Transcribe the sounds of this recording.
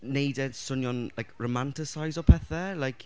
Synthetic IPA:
nejdɛd̥sʊnjɔnlajkʰɹomantɪsajzɔpʰɛθɛlajkʰ

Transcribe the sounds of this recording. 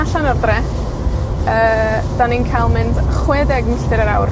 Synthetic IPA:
aɬanɔrdrɛ | əː | d̥aninkʰajlˠmɪndχwɛdɛɡn̩ɬtɪɾəɾawr

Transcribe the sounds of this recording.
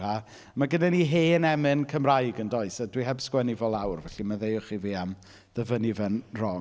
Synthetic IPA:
ha | maɡənɛniɦeːnɛmɨnkʰəmrajɡəndɔɨsadwiɦɛbskwɛnivɔlˠawrvɛɬimaðejʊχiviːam | ðəvənivɛnrɔ

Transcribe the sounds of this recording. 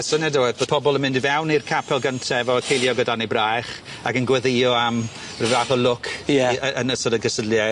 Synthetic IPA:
sənɛdɛwɨðboːd̥̚pʰɔbɔlˠənmɪ̃ndivɛwnirkʰapʰɛlˠɡəntʰɛɛvɔəkʰejlˠjɔɡədanibrajχ | akənɡwɛðejɔam | rɪvaːθɔlʊkʰɛəənəsədəɡəsədlˠja

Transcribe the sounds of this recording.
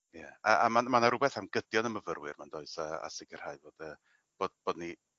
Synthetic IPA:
ja̰aamanmanaɾʊbɛθhamɡ̥ədjɔnəməvərwɨrmandoːɨsaa̰sɪɡər̥haɨvoːd̥əː | b̥oːdb̥oːdni

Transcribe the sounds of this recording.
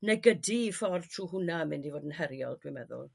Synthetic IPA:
nɛɡədifɔrtʰruːɦʊnamɪndivoːdənhɛɾjɔ̰lˠd̥wimɛðʊ̰lˠ

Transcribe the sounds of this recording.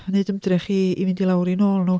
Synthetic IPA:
neɨdəmdrɛχiivɨndilˠawɾinoːlˠnuː

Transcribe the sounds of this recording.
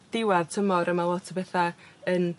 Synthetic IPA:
d̥ɪwaðtʰəmɔɾəmalˠɔtʰəbɛθaən

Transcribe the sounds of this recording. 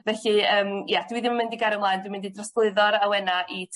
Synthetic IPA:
vɛɬiəːmjad̥wiðimamɪndiɡaɾəmlˠaːjndwimɪndidrɔsklˠɨðɔɾawɛnaʔi

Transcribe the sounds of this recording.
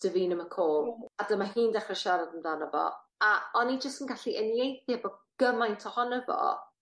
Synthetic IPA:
d̥əviːnəməkʰoːlˠadəmaɦiːndɛχrɛʃaɾadəmdanəvɔ̰ | aɔnid͡ʒəstənɡaɬiʔənjejθjɛbɔɡ̥əmajntʰɔhɔnəvɔ̰

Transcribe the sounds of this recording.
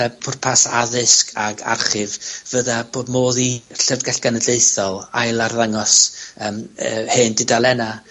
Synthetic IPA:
ɛpʰʊrpʰasaðɪskʰaɡa̰rχɪvvəðab̥oːdmoːðiɬəvɡɛɬɡ̥anədeɨθɔlˠajlˠarðaŋɔsəːmːheːndɪdalˠɛna

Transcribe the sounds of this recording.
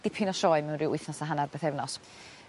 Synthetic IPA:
d̥ɪpʰɪnɔʃɔɨmɛwnrɪwʊjθnɔsaɦanarbeθɛvnɔs

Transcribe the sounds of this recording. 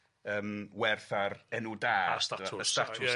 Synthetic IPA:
əːmwɛrθarɛnudaːsaəstatʰʊ

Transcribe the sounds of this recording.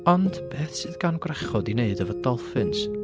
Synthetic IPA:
ɔnd̥pʰeːθsɨːðɡanɡwrɛχɔdineɨdəvədɔlˠfɨns

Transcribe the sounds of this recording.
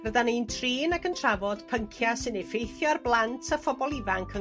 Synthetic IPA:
rəðaniːntʰriːnakʰəntʰravɔd̥pʰəŋkʰjasɨnefejθjɔrblˠantʰəfɔbɔlˠɪvaŋkʰə

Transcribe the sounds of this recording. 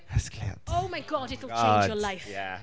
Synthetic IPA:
əskʰl̥ɛ̰oʊmaɪɡɒdɪtl̩ˠt͡ʃjəlaɪfjæ̰

